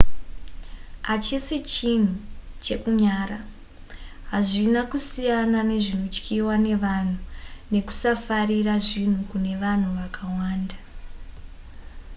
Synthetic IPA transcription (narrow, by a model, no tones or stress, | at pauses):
at͡ʃisit͡ʃin̤ut͡ʃe̞kuɲaːra | ɦaʐinakusijanane̞ʐino̞t͡ʃkʰiwane̞ʋan̤une̞ku̥safariraʐin̤ukune̞ʋan̤uʋakawaːnda